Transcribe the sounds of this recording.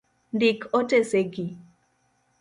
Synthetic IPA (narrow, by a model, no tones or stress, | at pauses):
ndikʰoteseɡi